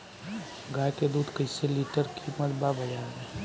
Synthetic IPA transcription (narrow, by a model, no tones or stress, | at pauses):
ɡaːjked̪uːd̪kəɪseliːʈəɾkʰiməlbabʱəd͡ʒaẽː